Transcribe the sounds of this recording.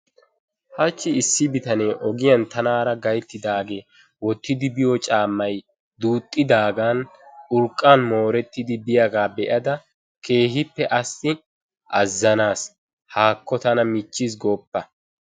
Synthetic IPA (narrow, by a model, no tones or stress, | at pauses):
hɐt͡ʃːɪɪsːɪbɪt̪ɐneːʔɔɡɪjɐnt̪ɐnaːɾɐɡɐjt̪ːɪd̪aːɡeː | wɔt̪ːɪd̪ɪbɪjɔt͡ʃʼaːmːɐj | d̪uːt̪ʼːɪd̪aːɡaːnʊɾkʼːaːnmo̞ːɾɛt̪ːɪd̪ɪbɪjɐɡaːbɛʔɐd̪ɐ | kʰe̞ːɦɪpːɛʔɐsɪ | ʔɐzːɐnaːs | haːkːɔt̪ɐnɐmɪt͡ʃːɪs̬ɡoːpːɐ